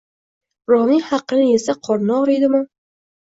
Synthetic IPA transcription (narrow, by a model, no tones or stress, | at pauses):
ɾɒmihɑqːɨnɪjesaqʰɒɾnɑɾejd̪ɪmɪ